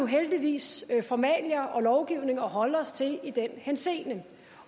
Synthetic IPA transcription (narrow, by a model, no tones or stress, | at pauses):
uɦeld̥iʋḭːsfɒmɛ̰ːlɐʔɒ̽lɒʊɡ̥iʊne̝ŋɒ̽ɦɒ̽ləɒ̽st͡sʰe̝lid̥enhense̝̰ːnə